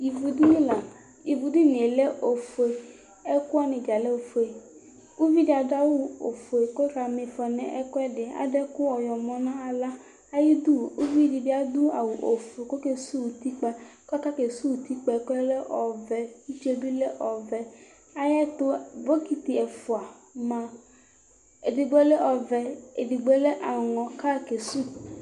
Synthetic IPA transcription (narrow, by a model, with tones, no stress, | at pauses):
i˨vu˨du˦ni˦la˨ | i˨vu˨du˦n˨e˨le˦ʔo˨fe˨ | ɛ˦ku˦ɔ˦ni˧d͡ʒa˨lɛ˦o˨fo˨e˨ | u˦vi˦di˦a˧da˦wu˦o̰˨fo˨e˨ko˦ɾa˧me˧˨fɔ˨nɛ˨ʔɛ̰˦kɔ˦ɛ˦dɪ˨a̰˨dɛ˦ku˦ɔ˨jɔ˨mɔ̃˨nã˦a˧la˦ | a˦ji˦du˦u˦vi˦di˧bɪ˦a˨du˦a˨wu˨ʔo˨fe˨ko˦ke˦su˦wu˨ti˦k͡pɛ˧kɔ˦ka˦ke˨su˦˨ti˦k͡pɛ˧˨klɛ˦ʔɔ˨vɛ˨i˦t͡ʃe˦bi˦le˦ʔɔ˨vɛ˨ | a˦jɛ˦to˦bo˦ki˦ti˨ɛ˨fu˨a˨mã˧ | e˨di˧ɡ͡be˦le˦ɔ˧vɛ˧e˨di˨ɡ͡be˦le˦ʔa˨ŋɔ̃˨ka˦ke˨su˦˨